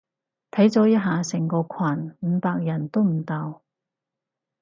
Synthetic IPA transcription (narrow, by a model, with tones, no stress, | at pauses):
t̪ʰɐ˨˥jt͡sɔː˨˥jɐ˥t̚ɦaː˨˧sɛ˨˩ŋkɔː˧kʰwaː˨˩nm̩˨˧˦paː˧k̚jɐ˨˩nt̪o˥wm̩˨˩t̪aː˧w